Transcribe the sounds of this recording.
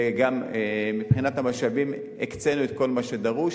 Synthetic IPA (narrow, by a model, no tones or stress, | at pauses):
ɡammipχinat̪hamaʃavim | ekt͡senuet̪ko̞lmaʃedaʁu